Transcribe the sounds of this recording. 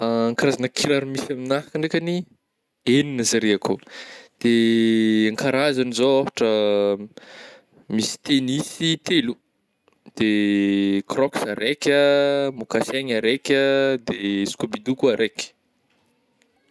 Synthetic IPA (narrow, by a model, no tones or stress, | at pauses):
aaŋkaɾazanəkʰiɾaɾmisaminaɦakəɳekʲani | eninəzaɾeakud̪̥e | aŋkaɾazanizoafḁʈ͡ʂə | misi̥t̪enisit̪elu | d̪̥e | krɔksaɾekʲəmokaseɲaɾekʲəd̪eskubid̪ukuaɾʔekʲə̥